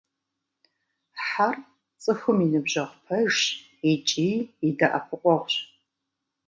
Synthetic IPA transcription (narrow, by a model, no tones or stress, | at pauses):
ħar | t͡sʼɨxɨminɨbʒɐʁʷpʰɐʒ | it͡ʃʼiːdaʔa̰pʷʰʊqʷʼɔʁʷɕ